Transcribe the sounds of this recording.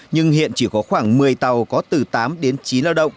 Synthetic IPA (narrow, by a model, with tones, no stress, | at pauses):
ɲɨ˧ŋhḭ˧˨ənt͡ɕi˧˩kɔ˨˦xwaː˧˩ŋmɨ˨˩əjt̪a˨˩wkɔ˨˦t̪ɨ˨˩t̪aː˨˦mɗe˨˦nt͡ɕi˨˦nlaː˧wɗə̰˧˨wŋ͡m